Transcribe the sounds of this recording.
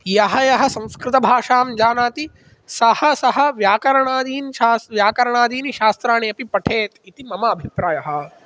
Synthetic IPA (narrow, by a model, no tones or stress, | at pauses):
jɐɦɐjɐɦɐ̆sɐ̃w̃skɾɪt̪ɐbʱaːʂaːmd͡ʒaːnaːt̪i | sɐhɐsɐɦɐ̆ʋjaːkɐɾɐɳaːd̪iːnʃaːsʋjaːkɐɾɐɳaːd̪iːniʃaːst̪ɾaːɳeɐpipɐʈʰeːt̪it̪imɐmɐːbʱipɾaːjɐɦɐ̆